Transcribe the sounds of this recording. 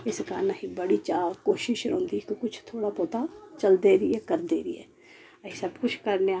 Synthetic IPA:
ɪskanəɦĩbɐɽit͡ʃaːkoːʃɪʃɾõːnd̪ikokʊt͡ʃʰt̪ʰoːɽapoːt̪at͡ʃɐld̪eɾiekəɾd̪eɾiḛ | ɐisɐbkʊt͡ʃʰkɐɾnea

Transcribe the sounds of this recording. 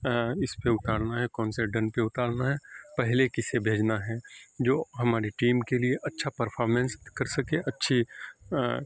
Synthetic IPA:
ɪspeʊt̪aːɽnaɦɛkɔːnseɖɐ̃npeʊt̪aːɽnaɦɛːpɛɦlekɪsebʱeːd͡ʒnaɦɛːd͡ʒoːɦɐmaːɾeʈiːmkelieʔɐtːʃʰapɐɾpʰɔːɾmɛ̃nskɐɾsɐkeʔɐtːʃʰi

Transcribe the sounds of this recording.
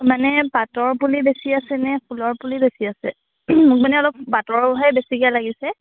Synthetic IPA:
manɛpatɔɹpulibesiasɛnɛpʰulɔɹpulibesiasɛ̰ | mʊk̚manɛɔlɔk̚patɔɹbɔɦajbesikialaɡisɛ

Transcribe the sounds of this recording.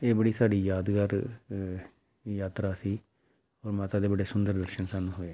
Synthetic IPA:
eːbəɽiːsaːɖiːjaːd̪ɡəɾ | jaːt̪ɾaːsiː | ɔːɾmaːt̪aːd̪eːbəɽeːsʊnd̪əɾd̪əɾʃənsanːũːɦoːe

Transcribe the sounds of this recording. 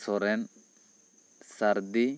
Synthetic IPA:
sɔɾɛn | sɐɾd̪ɪ

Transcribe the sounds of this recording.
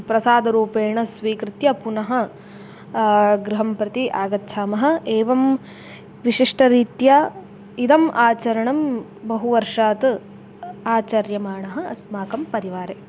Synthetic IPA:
pɾɐsaːd̪ɐɾuːpeːɳɐsʋiːkɾɪt̪jɐpunɐɦɐ̆ | ɡɾuɦɐmpɾɐt̪iʔaːɡɐt̪ːʃʰaːmɐɦɐ̆eːʋɐm | ʋiʂiʂʈɐɾiːt̪jɐ | id̪ɐmʔaːt͡ʃɐɾɐɳɐm | bɐɦuʋɐɾʂaːt̪ | aːt͡ʃɐɾjɐmaːɳɐɦɐ̆ɐsmaːkɐmpɐɾiʋaːɾe

